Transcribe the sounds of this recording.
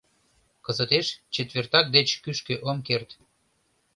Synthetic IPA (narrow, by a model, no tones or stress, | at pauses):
kəzət̪eʃt͡ɕet̪βert̪ɑk̚d̪et͡ɕkyʃkøʔomkert̪